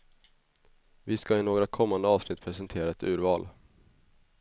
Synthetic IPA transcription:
vɪskaɪnoːɡɾakʰɔmːand̪əɑːvsnɪt̪ːpʰɾɛsɛnt̪ʰeːɾaɛt̪ʉ̟ːɾvɑːl

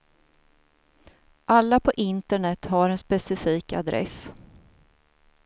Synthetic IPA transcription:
ʔalːapʰɔʔɪnt̪əɳɛt̪ɦaɾɛnspɛsɪfiːka̰d̪ɾʔɛ̰s

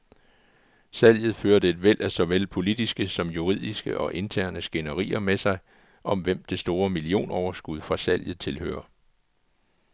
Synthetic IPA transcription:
sæl̰jð̞̩ˠføːɐd̥əe̝d̥ʋel̰ʔæsɒ̽ʋel̰pʰo̝lid̥isɡ̥əsɒ̽mjuʁið̞̰ˠisɡ̥əʔɒ̽ʔe̝nt͡sʰæɐ̰nəsɡ̥e̝nəʁḭːɐmesɑ̈ɪ | ʔɒ̽mʋem̰d̥e̝sd̥o̝ːɐmilio̝̰ːnɒʊɐsɡ̥uð̞ˠfʁɑ̈sæl̰jð̩ˠt͡sʰe̝lhø̰ːɐ

